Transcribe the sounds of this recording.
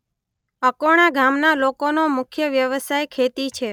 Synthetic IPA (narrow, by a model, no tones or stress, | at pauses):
əkoɽ̃aɡʱamnalokonomʊkʰjəʋjəʋəsajkʰet̪it͡ʃʰe